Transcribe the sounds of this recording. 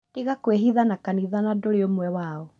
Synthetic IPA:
d̥eɣakweɦiðanakaniðanadoɾeomwɛwaɔ

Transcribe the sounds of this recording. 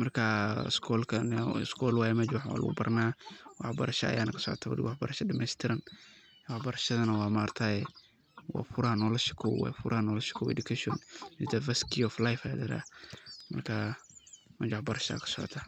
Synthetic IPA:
mɐrkʰɐ̰skʰɔlkʰɐnskʰɔlwaːjɛmɛt͡ʃwɑħa̰lʊ̰ɣʊ̰bɐrnaːwɑħbɐɾɐʃɐɐ̰jaːnɐkʰɐ̥sɔ̰ʕɔ̰t̪ʰaːwɐ̰dɪ̰wɑħbɐɾɐʃɐdɐmɛjst̪ʰɪɾɐn | wɑħbɐɾɐʃɐðɐnɐwɑːmaːrt̪ʰaːjɛ | wɑ̰ːfʊɾɐhɐnɔlɐʃɪ̥kʰɔwwa̰jfʊɾʔɐhɐnɔːlɐʃɪ̥kʰɔwɛ̰dʊkʰɛʃɔnɪd̪ɐvɐskʰiɔflajfɐja̰ːd̪ɪɾa̰mɐrkʰa | mɛt͡ʃwɑħbɐɾɐʃɐa̰ːkʰɐ̥sɔʕɔ̰t̪ʰaː

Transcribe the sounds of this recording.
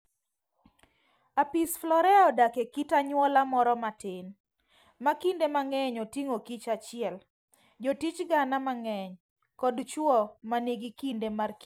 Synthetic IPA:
apisflɔɾɛaɔdakekitaɲwɔlamɔɾɔmatɪn | makindemaŋɛɲɔtiŋokit͡ʃat͡ʃɪɛl | d͡ʒɔtit͡ʃɡanamaŋɛɲ | kɔdt͡ʃwɔmaneɡikindemarki

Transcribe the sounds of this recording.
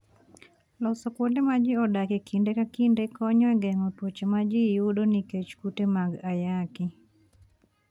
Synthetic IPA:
lɔsɔkwondemad͡ʒɪɔdakekʰindekakindekɔɲɔɛɡɛŋɔtwot͡ʃemad͡ʒɪjudoniket͡ʃkutemaɡajakɪ

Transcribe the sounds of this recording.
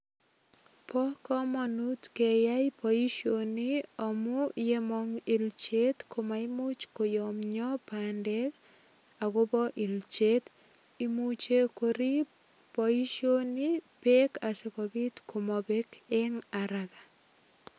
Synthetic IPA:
pɔkɔmɔnutkɛjajpɔiʃoniɔmujemɔŋilt͡ʃet̪kʰomaimut͡ʃkojɔmɲɔpandɛk | aɣʊbɔʔilt͡ʃet̪ | imut͡ʃekoɾi | pɔiʃonipekasekɔbitkʰomɔbekeŋaɾaɣa

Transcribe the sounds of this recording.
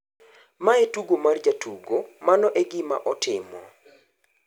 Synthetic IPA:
maetuɡomard͡ʒatʰuɡomanɔʔɛɡɪma̰ʔɔtɪmɔ̰

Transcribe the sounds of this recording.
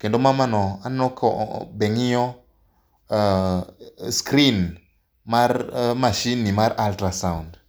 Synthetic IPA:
kedomamanɔanɔkʰɔ̰beŋijɔ | skɾin | maɾmaʃinːimaɾaltɾasaund

